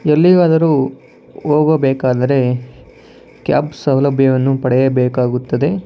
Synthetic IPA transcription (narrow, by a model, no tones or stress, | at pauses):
elːiɡaːd̪ɐɾuː | oːɡɐbɛːkaːd̪ɐɾe̞ | kja̰ːbsɐwlɐbʱjɐʋɐnːupɐɽɛjɐbɛːkaːɡut̪ːɐd̪e̞